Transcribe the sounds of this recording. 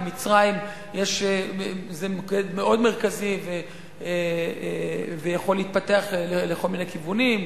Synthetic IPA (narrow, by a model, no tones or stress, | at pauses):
mit͡sʁaim | jeʃezekedmeʔo̞d̪meʁ̞kazive | vejaχo̞lːeit̪̚pat̪eaχleleko̞lminekivunim